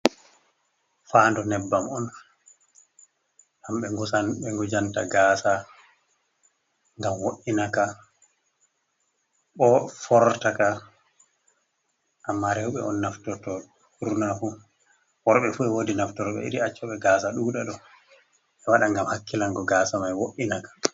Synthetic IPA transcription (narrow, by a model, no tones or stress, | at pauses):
faːndɔnɛbːamɔn | hamɓɛŋɡɔsanɓɛŋɡɔd͡ʒanta̰ɡaːsa | ŋɡamwoʔːinaka | ɓɔfɔɾtaka | ʔamːaɾɛwɓɛɔnːaftɔtɔ | huɾnafu | wɔɾɓɛfuɛwoːdinaftɔɾɔɓɛ̰ḭɾiat͡ʃːɔɓɛɡaːsaɗuːɗaɗɔ | ɛwaɗaŋɡamhakːilaŋɡɔɡaːsamajwoʔinakḁ